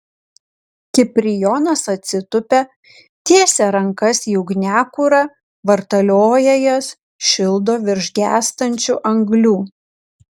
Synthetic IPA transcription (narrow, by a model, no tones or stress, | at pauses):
kʲɪpʲɾʲɪjɔːnɐsɐt̪ʲsʲɪt̪ʊpʲɛ | t̪ʲiɛsʲɛɾɐŋkɐsjʊɡnʲæːkʊɾɐ | ʋɐɾt̪ɐlʲoːjɛjɛs | ʃʲɪlˠd̪oːʋʲɪɾʲʒʲɡʲæːst̪ɐnʲt͡ʃʲuːʔɐŋɡlʲuː